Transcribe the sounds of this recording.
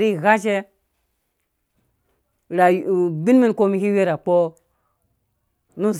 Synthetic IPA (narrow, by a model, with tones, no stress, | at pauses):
ɾi˦˨ɣa˦t͡ʃe˦ | ɾa˨bi˦n˦mi˦nko˦mi˦hi˦we˦ɾa˨k͡po˦ | nu˦˨z